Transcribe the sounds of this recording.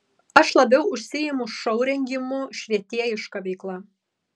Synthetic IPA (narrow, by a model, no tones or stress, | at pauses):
ɐʃlˠɐbʲɛʊʊʃʲsʲɪjɪmʊʃɐʊɾʲɛŋʲɡʲɪmʊʃʲʋʲiɛt̪ʲiɛɪʃkɐʋʲɛɪklˠɑː